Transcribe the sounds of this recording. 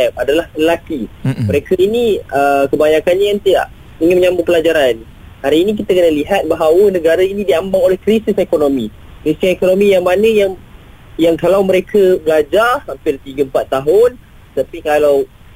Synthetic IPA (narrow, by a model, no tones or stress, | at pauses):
ɛp̚adalahləlakiməɾekəiniəkəbaɲakanɲajant̪ida̰ʔ | iŋɪnməɲãmbupəlad͡ʒaɾan | haɾiːnik̬it̪əkənəliɦat̪̚baɦawənəɡaɾainidiambaŋolɛhkɾisisekonomi | kɾisisekonomijaŋmanəjaŋ | jaŋkalawməɾekʰəbəlad͡ʒasampɪrt̪iɡəəmpat̪ːaɦʊn | t̪apikalaw